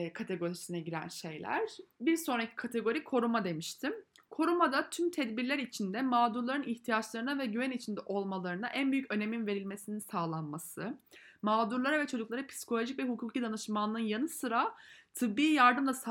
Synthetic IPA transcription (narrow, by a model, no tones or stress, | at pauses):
kʰat̪ʰe̞ɡo̞ɾisinɛɟiɾæ̰nʃe̞jlʲæ̰ɾ̥biɾso̞nɾacʰi̥kʰat̪ʰe̞ɡo̞ɾikʰo̞ɾumad̪e̞miʃt̪ʰim | kʰo̞ɾumad̪at̪ʰymt̪ʰɛd̪biɾlʲæɾit͡ʃʰind̪ɛmaːd̪uɾlˠaɾɯniçt̪ʰijat͡ʃlˠaɾɯnavɛɟyvænit͡ʃʰind̪ɛʔo̞lˠmalˠaɾɯnaʔænbyjycø̞ne̞minve̞ɾilʲmesininsaːlˠanmasɯmaːd̪uɾlˠaɾavɛt͡ʃʰo̞d͡ʒuklˠaɾɯpʰi̥si̥kʰo̞lʲo̞ʒicvɛɦukʰuːcʰid̪anɯʃmanɯnjanɯsɯɾat̪ʰɯbːiːjaɾd̪ɯmlˠas